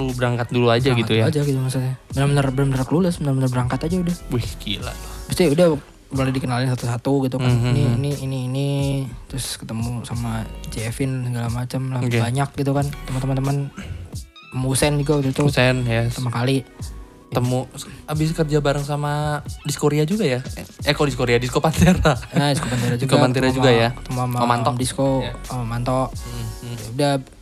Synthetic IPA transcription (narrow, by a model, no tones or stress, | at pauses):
ulubəɾaŋkat̪̚duluad͡ʒaɡit̪ujad͡ʒaɡit̪umas̬atabənərbənərbənərbənarkəluləsbənərbənərbəɾaŋkat̪ad͡ʒaudahwɛhkila̰t̪ʊ̥bəst̪iudah | bənədikənalɪns̬at̪usat̪uɡit̪ukaniniːniːniːnit̪ɾʊskət̪əmusamat͡ʃɛfɪnsəɡalamat͡ʃəmlahbaɲak̚ɡit̪̬ukankət̪əmənt̪əmənt̪̬əmən | əmusɛnd͡ʒukad̪ut̪ʊsɛnjat̪əmənkali | t̪əmuabɪs̬kərd͡ʒabaɾəŋsamadiskoɾead͡ʒuɡajaakodiskoɾeadiskopant̪iɾaadiskopant̪iɾad͡ʒskoapant̪iɾad͡ʒuɡajakə̥t̪əmamamant̪ɔdiskomant̪ɔʔ | uda